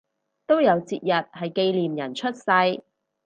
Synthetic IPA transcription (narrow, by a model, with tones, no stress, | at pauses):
t̪o˥wjɐ˨˧wt͡siː˧t̚jɐ˨t̚hɐ˨jke˧jliː˨mjɐ˨˩nt͡ʃʰɵ˥t̚sɐ˧j